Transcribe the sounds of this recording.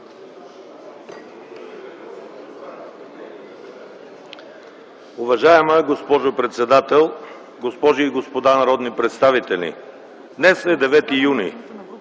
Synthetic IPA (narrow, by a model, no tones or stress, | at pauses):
ʊvɐʒaɛməɡospɔʒopɾɛt̪sɛd̪at̪ɛlˠ | ɡospɔʒiːɡospod̪anɐɾɔd̪nipɾɛt̪st̪avit̪ɛlʲḭ | d̪nɛsɛd̪ɛvɛt̪ijunḭ